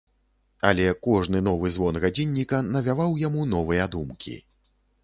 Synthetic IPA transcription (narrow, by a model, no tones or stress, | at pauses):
ɐlʲɛkɔʐnɨnɔvɨzvɔnɣad͡zʲinʲːikɐnɐvʲavawjamunɔvɨjɐd̪umkʲḭ